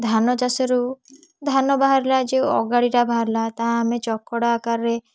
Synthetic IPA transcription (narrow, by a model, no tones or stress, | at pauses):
d̪ʱanɔd͡ʒasɔɾu | d̪ʱanɔbaɦaɾlad͡ʒewɔ̰ɡaɽiʈabʱaɦaɾlat̪ãːmet͡ʃɔkːɔɽakaɾːe